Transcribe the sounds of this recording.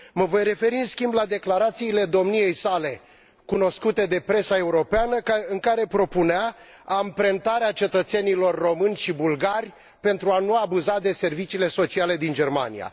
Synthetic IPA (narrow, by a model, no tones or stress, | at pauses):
məvo̞jre̞fe̞ɾiɨnskʲimblad̪e̞klaɾat̪siːle̞d̪o̞mnije̞jsale̞ | kuno̞skut̪e̞d̪e̞pɾe̞sae̞uɾo̞peanəɨŋkaɾe̞pɾo̞puneaː | mpɾe̞nt̪aɾeat͡ʃe̞t̪ət̪se̞nilo̞rːo̞mɨnʲʃibulɡarʲ | pe̞nt̪ɾuanuabuzad̪e̞se̞rvit͡ʃiːle̞so̞t͡ʃiale̞d̪ind͡ʒe̞rma̰nḭja̰